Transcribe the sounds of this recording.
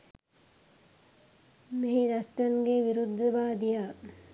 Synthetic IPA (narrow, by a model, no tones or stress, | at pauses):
meɦiɾɐsʈ̪ɐnɡeʋiɾud̪ʱːɐʋaːd̪ijaː